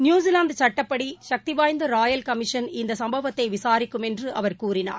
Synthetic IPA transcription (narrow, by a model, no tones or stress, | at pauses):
njuːzɪlaːnd̪t͡ʃɐʈːɐpːɐɽiʃɐk̚t̪ɪʋaːjnd̪ɐɾaːjɐlkɐmɪʂɐnɪnd̪ɐsɐmbɐʋɐt̪ːɐɪʋɪsaːɾɪkːɯmɛndrɯʔɐʋɐɾkuːɾɪna̰ːɾ